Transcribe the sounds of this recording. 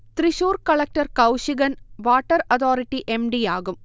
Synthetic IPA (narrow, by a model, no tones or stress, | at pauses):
t̪riɕuːrkɐɭɐk̚ʈɐrkɐwɕiɣɐnʋaːʈːɐrɐt̪ʰoːɾiʈːiʔemɖijaːɣum